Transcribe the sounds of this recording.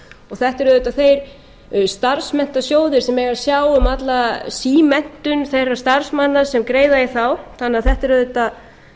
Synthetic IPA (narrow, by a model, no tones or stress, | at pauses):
ɔɣθɛht̪ɛɾʏðʏt̪ːaθejɾ | st̪aɾsmɛn̥t̪asjoːwðɪɾ̥sɛmɛɣaɾ̥sjaːwʏmat̪lasiːmɛn̥t̪ʏnθejrːḁst̪aɾ̥smanːasɛmkɾeːjðajɪθawθanːaθɛht̪ɛɾʏðʏt̪a